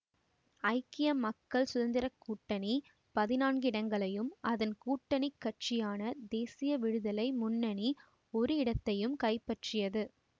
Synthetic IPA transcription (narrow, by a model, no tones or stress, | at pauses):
ɐɪkɪjɐmːɐkːɐɭsʊðɐnd̪ɪɾɐkːuːʈːɐni | pɐðɪnaːnɡɪɽɐŋɡɐɭɐjɯmɐðɐnkuːʈːɐɳɪkːɐʈ̚t͡ʃɪjaːnɐd̪eːsɪjɐʋɪɻɯðɐlɐɪmʊnːɐni | ɔɾɯɪɽɐt̪ːɐjɯmkɐɪpːɐʈrɪjɐðɯ